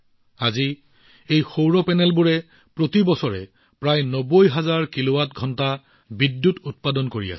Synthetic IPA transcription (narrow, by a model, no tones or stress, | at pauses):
azi | ejxowɹɔpɛnɛlbuɹɛ | pɹotibɔsɔɹɛ̰ | pɹajnɔbojɦazaɹkilowatɡʱɔnta | bidjutut̚padɔnkoɹḭa̰sɛ